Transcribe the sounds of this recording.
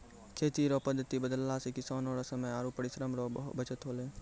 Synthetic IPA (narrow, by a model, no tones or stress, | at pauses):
kʰeːt̪iɾoːpəd̪ʱːət̪ibəd̪əlːasekɪsaːnoːɾasəməjaːɾupəɽɪʃɾəmɾoːbət͡ʃət̪ɦoːlẽː